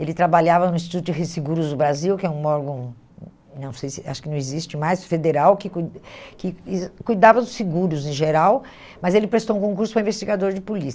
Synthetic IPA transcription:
elɪt̪ɾabaʎavɐnʊ̃ĩs̬t͡ʃit̪ut̪ʊd͡ʒɪɦesiɡuɾʊzd̪ʊbɾaziwkɪɛũmɔɾɡõ | nɐ̃w̃sejsɪa̰ʃʊkɪnɐ̃w̃ɪzist͡ʃɪmajsfed̪eɾawkɪkukɪkujd̪avɐd̪ʊsiɡuɾʊzẽʒeɾaw | mɐzelɪpɾest̪owũkõkuɾsʊpɾɐĩvest͡ʃiɡad̪oɾd͡ʒɪpolisɐ

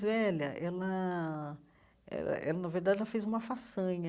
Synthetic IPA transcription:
vɛʎɐʔɛlɐ | ɛ̰lɐ̰ʔɛlɐnɐveɾd̪ad͡ʒɛlɐfejzũmɐfasɐ̃ɲɐ

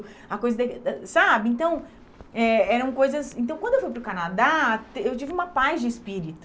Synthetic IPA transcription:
ɐkojzɐd̪ɐk̪sabɪẽnt̪ɐ̃w̃ | ɛɛɾɐ̃w̃kojzɐsẽnt̪ɐ̃w̃kwɐ̃d̪ewfujpɾʊkanad̪at̪ewt͡ʃivɪũmɐpajzd͡ʒɪɪspiɾit̪ʊ̥

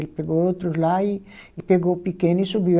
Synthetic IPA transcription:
elpeɡoot̪ɾʊzlaiipeɡopikẽnisubi

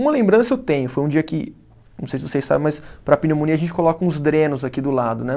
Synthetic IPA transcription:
ũmɐlẽmbɾɐ̃sɐewt̪ẽɲʊfojũd͡ʒiɐkɪ | nnɐ̃w̃sejsɪvosejsːa̰bẽmɐspɾɐpinemõniɐʒẽnt͡ʃɪ̥kolɔkɐũzd̪ɾẽnʊzakid̪ʊlad̪ʊnɛ

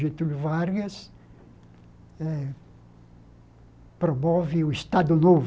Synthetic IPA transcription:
ʒet̪ulʊvaɾɡɐs | ɛ | pɾomɔvɪʊist̪ad̪ʊnov

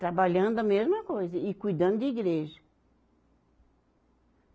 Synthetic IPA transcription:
t̪ɾabaʎɐ̃nd̪ʊɐmezmɐkojzɐɪkujd̪ɐ̃nd̪ʊd̪ɪiɡɾeʒɐ

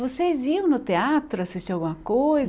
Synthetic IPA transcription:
vosejziɐ̃w̃nʊt̪eat̪ɾʊasist͡ʃawɡũmɐkojz

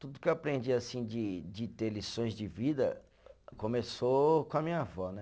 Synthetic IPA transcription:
t̪ud̪ʊkeapɾẽnd͡ʒiasĩd͡ʒɪd͡ʒɪt̪eɾlisõj̃zd͡ʒɪvid̪ɐ̰ | kõmesokõɐmĩɲɐvɔnɛ

